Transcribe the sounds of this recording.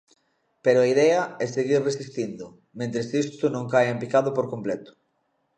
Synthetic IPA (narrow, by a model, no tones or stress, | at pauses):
peɾʊaiðɛɐɛseɣiɾresist̪ind̪ʊ | mẽnt̪ɾesist̪ʊnõŋkajempikaðʊpoɾkomplɛt̪ʊ̥